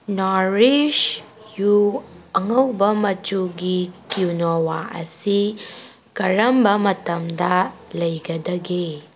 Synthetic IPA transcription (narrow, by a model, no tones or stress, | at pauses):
naɾid͡ʒ | juɐŋɐwbɐmɐt͡ʃuɡikiwnowaʔɐ̰si | kɐɾɐmbɐmɐtɐmdɐlɐjɡɐdɐɡe